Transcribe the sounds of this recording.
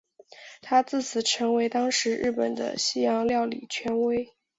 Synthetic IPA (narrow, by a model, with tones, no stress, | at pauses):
t̪ʰa˥t͡sɹ̩˥˩t͡sʰɹ̩˨˩ʈ͡ʂʰɤ˧˥ŋwe˧˥ɪt̪ɑ˥ŋʂɻ̩˧˥ɻ̩˥˩pə˨˩nd̪ə̰˦ɕi˥jɑ˧˥ŋljɑ˥˩ʊlḭ˨˩t͡ɕʰɥɛ˧˥nwe˥ɪ